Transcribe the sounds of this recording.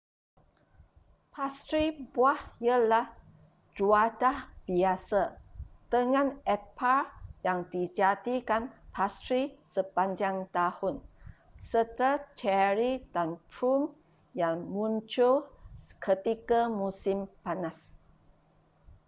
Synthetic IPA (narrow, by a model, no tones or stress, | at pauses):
pʰast̪ɾibuahjalah | d͡ʒuadahb̥iasad̥əŋãnɛpaɹjaŋdid͡ʒad̪ikanpʰast̪ɾisəpaɲd͡ʒaŋt̪ahʊn | sət̪əɾat͡ʃɛɾidanpɾum | jaŋmũnt͡ʃokʰət̪ikamusɪmpanas